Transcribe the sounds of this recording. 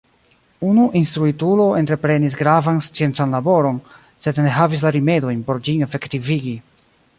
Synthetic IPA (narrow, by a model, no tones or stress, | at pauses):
unuʔinstɾuitulo̞entɾe̞pɾe̞nis̬ɡɾavanst͡sie̞nt͡sanlabo̞ɾo̞n | se̞dne̞ɦavis̬laɾime̞do̞jnpo̞ɾd͡ʒinefektiviɡi